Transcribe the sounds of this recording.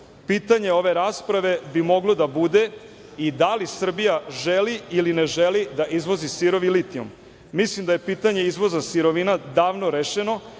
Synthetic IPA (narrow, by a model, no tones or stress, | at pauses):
piːt̪aɲe̞o̞ʋe̞ɾaːspɾaʋe̞bimo̞ɡlˠo̞d̪abud̪e̞ | id̪alisr̩bijaʒeliilineʒelid̪aʔizʋo̞zisiɾo̞ʋilit̪iomː | islimd̪aje̞piːt̪aɲe̞izʋo̞zasiɾo̞ʋinad̪aːʋno̞ɾeʃeno̞